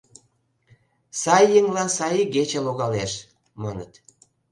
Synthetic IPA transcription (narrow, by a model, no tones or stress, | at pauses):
sɑjːəŋlɑnsɑjiɡet͡ɕeloɣɑleʃ | mɑnə̰t̪